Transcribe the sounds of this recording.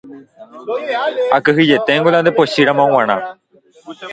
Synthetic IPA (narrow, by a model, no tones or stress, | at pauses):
akɨɦid͡ʒet̪eŋɡolãnd̪epoʃiɾãmãw̃ãɽ̃ã̰